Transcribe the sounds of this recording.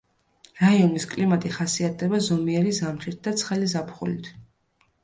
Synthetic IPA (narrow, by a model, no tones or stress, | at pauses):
ɾaiɔniskʼlimat̪ʼiχasiat̪̚ʰd̪ɛbazɔmiɛɾizamχit̪̚d̪at̪sʰχɛlizapʰχṵlḭt̪ʰ